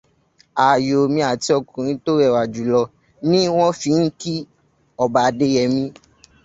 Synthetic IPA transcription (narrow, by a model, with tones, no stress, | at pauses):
a˨jo˨mĩ˧a˨ti˧˦ɔ˧kũ˨ɾ̃ĩ˨˦to˦ɾɛ˦˨wa˨d͡ʒu˨lɔ˧ | nĩ˦w̃ɔ̃˦fi˨˧˦ŋ̩˦ki˦ | ɔ˨ba˨de˧˦jɛ˨mĩ˧